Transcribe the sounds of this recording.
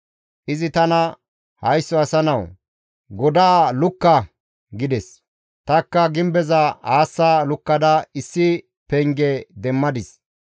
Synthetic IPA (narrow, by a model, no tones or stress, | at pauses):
ʔɪzɪt̪ɐnɐ | hɐjsːɔɐsɐnɐw | ɡɔd̪aːlʊkːɐ | ɡɪd̪ɛs | t̪ɐkːɐɡɪmbɛzɐhaːsːaːlʊkːɐd̪ɐɪsːɪ | pɛŋɡɛd̪ɛmːɐd̪ɪs